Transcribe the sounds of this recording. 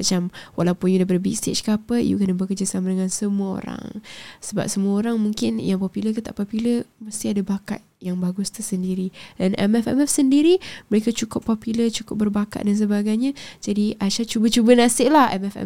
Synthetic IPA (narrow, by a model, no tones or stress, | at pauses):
mat͡ʃamwʔalawpʊnjudap̬ədəbḭst̪et͡ʃkapə̰jṵkənəbəkərd͡ʒasamadəŋãnsəmuəo̰ɾa̰ŋsəba̰p̚səmuaoɾaŋmuŋkɪnjaŋpopuləkit̪aʔpɔpuləmərst̪iadabaka̰t̪̚jaŋbaɡʊst̪usəndiɾidanɛ̰mɛfɛ̰mɛfsəndiɾiməɾekat͡ʃukʊpːopulət͡ʃukʊp̚bərbaka̰t̪̚dans̬əbaɡajɲad͡ʒadiʔaʃat͡ʃubət͡ʃubənasɪʔlahɛ̰mɛfɛ̰